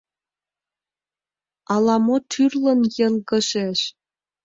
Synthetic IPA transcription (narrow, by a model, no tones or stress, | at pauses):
ɑlˠɑmot̪ʰyrlɤ̆njĕlɣɤ̆ʃeʃ